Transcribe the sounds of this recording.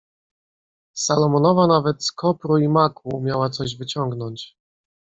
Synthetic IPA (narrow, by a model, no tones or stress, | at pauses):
salɔmɔnɔvanavɛt̪skɔpɾuimakumʲjawat̪sɔʑvɘt͡ɕɔŋɡnɔɲt͡ɕ